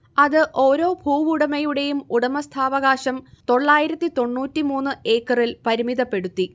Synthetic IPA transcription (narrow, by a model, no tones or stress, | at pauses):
ɐðɨʔo̞ːɾo̞ːbʱuːʋuɽɐmɐjuɽe̞jumuɽɐmɐst̪ʰaːʋɐɣaːɕɐmt̪o̞ɭːaːjiɾɐt̪ːit̪o̞ɳːuːtːimuːnːɨʔe̞ːkːɐrilpɐɾimiðɐpːe̞ɽut̪ːi